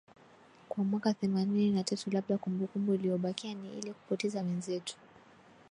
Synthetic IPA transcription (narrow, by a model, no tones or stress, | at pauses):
kwamwakaθɛmanininatatulaɓ̚ɗakumbukumbuiliɔɓakianiḭlɛku̥pɔtɛzawɛnzɛtu̥